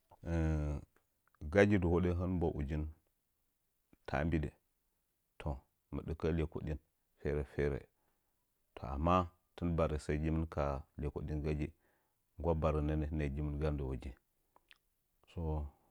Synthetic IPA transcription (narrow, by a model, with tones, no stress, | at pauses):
ɡa˦d͡ʒi˦du˨wo˦ɗe˦ɦə˦nmbo˦ʔu˨d͡ʒi˦n | tʰa̰˨˦mbi˦dḛ˨ | tʰo˨ | mə̰˨ɗə˦ka˦le˨ko̰˨ɗi˦n | fe˦ɾe˨fe˦ɾḛ˨ | tʰo˨a̰˨mːa˦ | tə˦nba˨ɾi˨sa˦i˦d͡ʒi˦mə˦nka˨le˨ko˨ɗi˦nɡa˦d͡ʒi˦ | ŋɡʷa˦ba˨ɾə˨ne˦ne˦ne˨d͡ʒi˦mə˦nɡa˦ndə˨wo˨d͡ʒi˦ | so˦